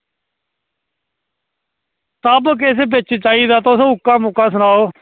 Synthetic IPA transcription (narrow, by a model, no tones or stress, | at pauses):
səbk̬ɪs̬eːbɪt͡ʃt͡ʃaːiːd̪aːt̪osõːʊkːãːmʊkãːsəɽ̃aːoː